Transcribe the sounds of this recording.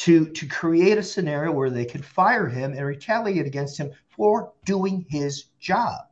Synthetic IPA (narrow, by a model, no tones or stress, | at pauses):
tʰɨɾɨkʰɹ̥ieɪɾɨsɨnɛɹioʊwə˞ðeɪkʰɨ̃dfaɪə˞ɪ̃mɨ̃nɹitʰælˠiɨɾɨɡɛ̃nst̚hɨ̃ɱfə˞d̥uɪ̃ŋɪz | d͡ʒɑb̥̚